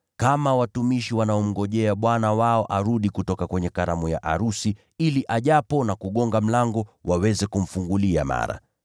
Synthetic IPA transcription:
kamawatumiʃiwanaɔm̩ɡɔʄɛaɓwanawaɔʔaɾuɗikutɔkakwɛɲɛkaɾamuja̰ʔaɾusi | iliʔaʄapɔnakuɠɔŋɡam̩laŋɡɔwʔawɛzɛkum̩fuŋɡulia̰ma̰ɾa̰

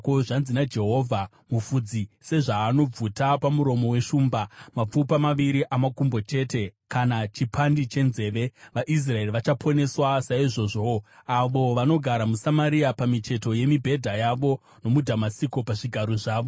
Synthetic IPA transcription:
koʐanzinad͡ʒe̞ɦo̞ːvʱa | mufud͡zise̞ʐaːno̞b͡vutapamuɾo̞mo̞we̞ʃuːmbamap͡fupamaʋiɾiʔamakumbo̞t͡ʃe̞te̞kanat͡ʃipʰandit͡ʃe̞nze̞ːʋe̞ʋaʔis̬rae̞riʋat͡ʃapʰo̞ne̞swasaiʐo̞ʐoaʋo̞ʋano̞ɡʱaɾamusamaɾiapamit͡ʃe̞to̞je̞mibʱe̞dʱajaʋo̞ | no̞mudʱamasiko̞paʐiɡʱaɾo̞ʐaːʋo̞

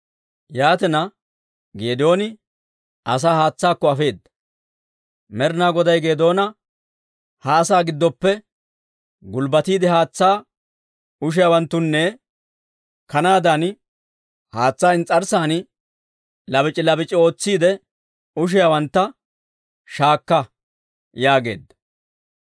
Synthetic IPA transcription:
jaːt̪ɛnɐ | ɡeːd̪o̞ːnɪ | ɐs̬aːhaːt͡sːaːkːɔɐfe̞ːd̪ːɐ | mɛɾnaːɡɔd̪ɐjɡe̞ːd̪o̞ːnɐ | haːsaːɡɪd̪ːɔpːɛ | ɡʊlbɐt̪iːd̪ɛhaːt͡sːaː | ʊʃ̬ɪjawɐnt̪ːʊnːɛ | kɐnaːd̪ɐn | haːt͡sːaːɪnt͡sʼɐɾsaːn | lɐbɪt͡ʃʼɪlɐbɪt͡ʃʼːɪo̞ːt͡sːiːd̪ɛ | ʊʃ̬ɪjawɐnt̪ːɐ | ʃaːkːɐ | jaːɡe̞̰ːd̪ːɐ̥

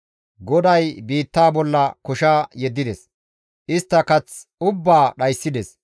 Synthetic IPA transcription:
ɡɔd̪ɐjbiːt̪ːaːbɔlːɐkʊʃaːjɛd̪ːɪd̪ɛs | ʔɪst̪ːɐkɐt͡sʊbːaːɗɐjsːɪd̪ɛs

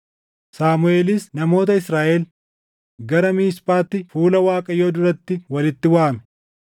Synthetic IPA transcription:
saːmʊe̞ːlɪsnɐmo̞ːt̪ɐɪsɾaːʔɛl | ɡɐɾɐmiːspʼaːt̪ːɪfuːlɐwaːkʼɐjo̞ːd̪ʊɾɐt̪ːɪwɐlɪt̪ːɪwaːmɛ̥

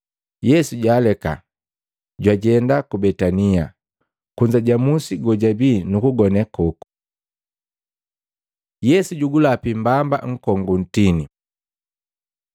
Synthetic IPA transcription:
jɛsuɟaːlɛka̰ | ɟwaɟɛndakubɛtania | kuɲd͡ʒaɟamusiɡɔɟabiːnukuɡɔnɛkɔku̥ | jɛsuɟuɡulapimbamba̰ŋ̩kɔŋɡun̩tini

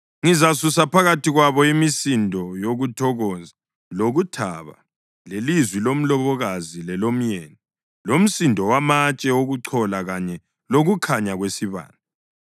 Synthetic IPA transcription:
ŋizasusapʰaɣatiɣwaβɔimisindʱɔjoɣutʰɔɣɔːza | loɣutʰa̰βa̰ | lelizwilom̩lɔβɔɣazilɛlom̩jɛni | lom̩sindʱɔwamat͡ʃʼɛoɣuǀʰɔlaɣaɲɛ | loɣukʰaɲaɣwesiβa̰ːnda

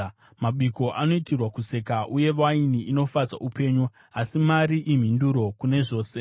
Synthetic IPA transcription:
maɓiko̞ʔano̞itirwakuse̞kaʔuje̞ʋainiʔino̞fad͡za̰ʔupe̞ːɲu | asimaɾiʔim̤induɾo̞kune̞ʐo̞ːse̞

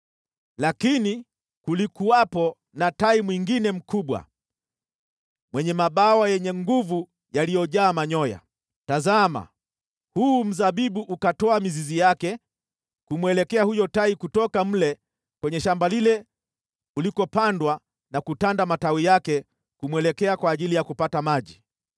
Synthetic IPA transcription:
lakini | kulikuapɔ | nataimwiŋɡinɛm̩kuɓwa̰ | mwɛɲɛmaɓawajɛɲɛŋɡuvu | jalijɔʄaːmaɲɔja̰ | tazama̰ | huːm̩zaɓiɓuʔukatɔamizizijakɛ | kumwɛlɛkɛahujɔtaikutɔkam̩lɛ | kwɛɲɛʃambalilɛ | ulikɔpandwa | nakutandamatawijakɛ | kumwɛlɛkɛakwaːʄilijakupatamaʄi

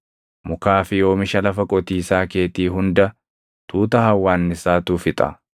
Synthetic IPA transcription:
mʊkaːfɪjo̞ːmɪʃɐlɐfɐkʼɔt̪iːsaːke̞ːt̪iːɦʊnd̪ɐ | t̪ʰuːt̪ɐhɐwːaːnːɪsaːt̪uːfɪt̪ʼɐ̰

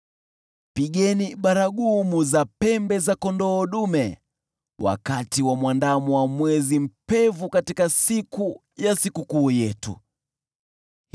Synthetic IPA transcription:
piɠɛniɓaɾaɠumuzapɛmbɛzakɔndɔːɗumɛ | wʔa̰katiwamwandamuwamwɛzim̩pɛvukatikasiku | jasikukuːjɛtṵ

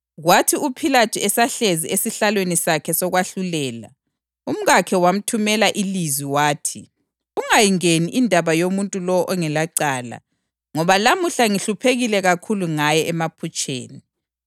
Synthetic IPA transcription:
ɣwatʰiupʰilatʰiɛsaɬeziesiɬalwenisakʰɛsɔɣwaɬulɛːla̰ | um̩ɣakʰɛwam̩tʰumɛlaʔilizwiwaːtʰi | uŋajiŋeniʔindʱaβajomuntʼulɔwɔʔɔŋɛlaǀaːla̰ | ŋɔβalamuɬaŋiɬupʰeɣilɛɣakʰuluŋajɛʔɛmapʰut͡ʃʼḛːni

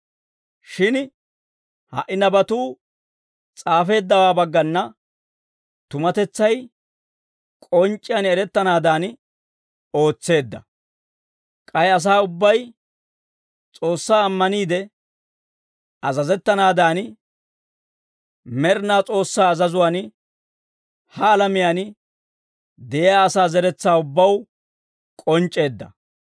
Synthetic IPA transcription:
ʃɪn | hɐ̰ʔɪnɐbɐt̪uː | t͡sʼaːfe̞ːd̪ːɐwaːbɐɡːɐnːɐ | t̪ʊmɐt̪ɛt͡sːɐj | kʼɔnt͡ʃʼːɪjɐnɛɾɛt̪ːɐnaːd̪aːn | o̞ːt͡sːe̞ːd̪ːɐ̰ | kʼɐjɐs̬aːʊbːɐj | t͡sʼo̞ːsːaːɐmːɐniːd̪ɛ | ɐzɐzɛt̪ːɐnaːd̪aːn | mɛɾnaːt͡sʼo̞ːsːaːɐzɐzʊwaːn | hɐːlɐmɪjaːn | d̪ɛʔjaːsaːzɛɾɛt͡sːaːʊbːɐw | kʼɔnt͡ʃʼːe̞ːd̪ːɐ̰

